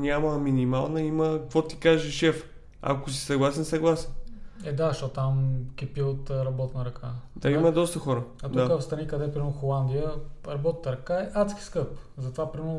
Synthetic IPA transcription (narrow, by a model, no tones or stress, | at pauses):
nʲjaməminimalˠnəiməkvɔt̪i̥kaʒɛʃɛf | a̰kosi̥sɐɡlˠasɛnsɐɡlˠasɛnɛd̪aʃt̪ɔtt̪amkʲɛpiot̪ɾɐbɔt̪nəɾɐkʰad̪aiməd̪ɔst̪əxɔɾəɐtd̪uakafst̪ɾɐnikɐd̪ɛpɾimɛʊxolˠand̪ijəɾɐbɔt̪̚nəɾɐkaɛʔat̪skʲi̥skɤpzɐt̪ovapɾimɛɾn